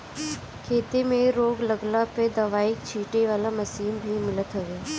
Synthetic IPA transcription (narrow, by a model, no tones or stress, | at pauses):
kʰeːt̪emẽɾoːɡləɡlaped̪ɐʋaːɪkt͡ʃʰiːʈeʋaːlamɐsiːnbʱimɪlət̪ɦoːɡjaː